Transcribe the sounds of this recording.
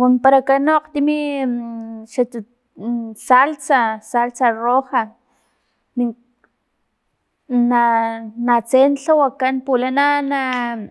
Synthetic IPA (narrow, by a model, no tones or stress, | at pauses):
kunpaɾakanoqt̪imi | ʃa | salt͡sasalt͡saroxa | ni | nanat͡senɬawakanpulanana